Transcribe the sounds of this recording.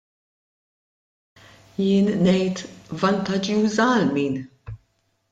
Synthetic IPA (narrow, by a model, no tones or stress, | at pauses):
jɪːnːɛjt̪vɐnt̪ɐd͡ʒjuːzɐɐlmiːn